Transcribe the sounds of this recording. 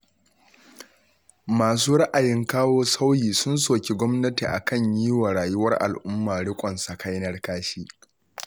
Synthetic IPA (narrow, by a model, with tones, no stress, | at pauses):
maː˨s̬uː˦ɽɐ˦ʔa˨jɪ˦ŋkaː˦woː˦sa˦wjiː˨sʊ˦nsoː˨kʲe˨ɡʷɔ˦mnɐ˦ti˨ʔa̰˨kɐ˦˨ɲjiː˦wa˨ɽaː˨jʊ˦wɐ˦rʔa̰˨lʔʊ˦mːaː˨ɽɪ˦kʷʼɐ˨nsa˨ka˦jnɐ˦rkaː˦ʃiː˦